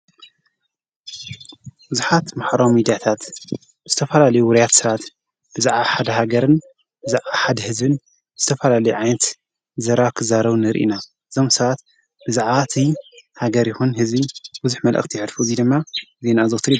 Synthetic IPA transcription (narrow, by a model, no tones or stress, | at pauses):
b̥uzuħat̪maħɾawmid̪ijat̪ʰat̪ | b̥ɨz̥ɨt̪ʰɐfɐlalɐjuwʊɾijat̪sɐβat̪ | b̥ɨzaʕβaħad̪ɐɦaɡɐɾɨn | bɨzaʕβaħad̪ɐhɨzbɨn | bɨzɨt̪ʰɐfɐlalɐjuʕajnɐt̪ | zɐɾakʰɨzaɾɐβnɨɾʔḭnaʔɨzo̞msɐβat̪ | b̥ɨzaʕβat̪ʰihaɡɐɾjɪxunhɨzbibuzuħmɐlʔɐ̰χt̪ʰijʕɨd̪fuzid̪ɨmːaze̞nazɨt̪ʰɾi